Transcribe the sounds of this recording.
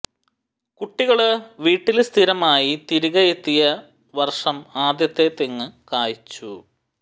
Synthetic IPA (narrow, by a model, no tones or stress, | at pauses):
kuʈːiɣɐɭʋiːʈːilst̪ʰiɾɐmaːjit̪iɾiɣɐjet̪ːijɐ | ʋɐrʂɐmaːd̪jɐt̪ːe̞t̪eŋːɨkaːjit͡ɕːu